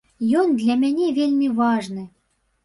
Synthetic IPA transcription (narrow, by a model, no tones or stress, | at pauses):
jond̪lʲamʲenʲevʲelʲmʲivɑʐnɨ̆